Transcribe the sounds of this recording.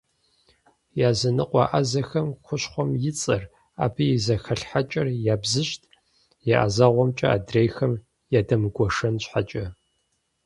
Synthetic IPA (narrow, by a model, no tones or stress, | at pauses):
jaːzɐnɨqʷʼɑ̰ʔɐzɐxɐmxʷʊɕχʷɔmjɪt͡sʼɐr | a̰ːbʰijɪzɐxɐɬħat͡ʃʼɐrjaːbzɨɕtʰ | jaʔa̰zaʁʷɔmt͡ʃʼɐa̰ːdrejxɐm | jaːdɐmɨɡʷɔʂɐnɕħat͡ʃʼɐ